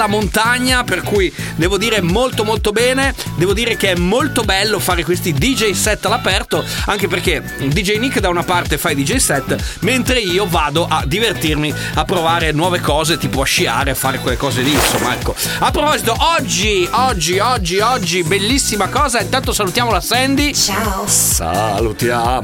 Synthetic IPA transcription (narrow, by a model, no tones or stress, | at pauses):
amont̪aɲːaperkujd̪ɛːvod̪iːɾemolt̪omolt̪obɛːne | d̪ɛːvod̪iːɾek̟eɛmːolt̪obɛlːofaːɾekwest̪id̪id͡ʒejsɛt̪ːalapɛrt̪oaŋk̟eperke | d̪id͡ʒejnikːd̪awnapart̪efajd̪id͡ʒejsɛt̪ːment̪ɾeiːovaːd̪oʔad̪ːivert̪irmi | apːɾovaːɾenwɔːvekɔːzet̪iːpoaʃːia̰ːɾeafːaːɾekwelːekɔːzeliso̰mːaɛ̰kːo | apːɾopɔzit̪oʔɔd͡ʒːiɔd͡ʒːiɔd͡ʒːiɔd͡ʒːibelːisːimakɔːzaint̪ant̪osalut̪jaːmolasɛnd̪it͡ʃasa̰lut̪ja